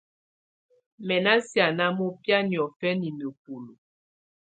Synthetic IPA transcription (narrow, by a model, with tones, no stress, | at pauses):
mɛ˨na˦sja˨na˦mɔ˦pja˦ni˨ɔ˨fɛ˦ni˨me˨p̚o˨lo˨